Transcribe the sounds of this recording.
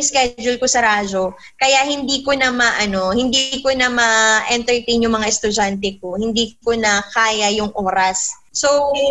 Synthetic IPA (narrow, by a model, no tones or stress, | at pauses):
skɛd͡ʒʊlkosɐɾaːd͡ʒo̞ | kɐjaʔhɪnd̪iːkonɐmɐʔɐno̞hɪnd̪ikonɐmɐʔɛnt̪ɛɹt̪ejnjʊŋmɐŋaʔɛst̪ʊd͡ʒant̪ɛko̞hɪnd̪iːkonɐkaːjɐjʊŋʔo̞ːɾɐsː | ow